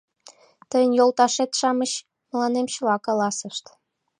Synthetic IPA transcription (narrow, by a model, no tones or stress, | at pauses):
t̪əjənjolˠt̪ɑʃet̪ʃɑməɕ | mə̆lɑnemt͡ɕəlɑkɑlɑsəʃt̪